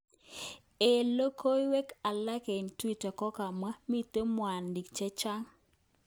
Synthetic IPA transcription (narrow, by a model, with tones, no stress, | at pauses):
e˨lo˦kʰo˦jwe˦ka˨la˦ke˨ntwi˦ta˨kɔ˦ka˨ma˦mi˦t̪e˦mwa˨ndi˨kt͡ʃɛ˦t͡ʃa˦ŋ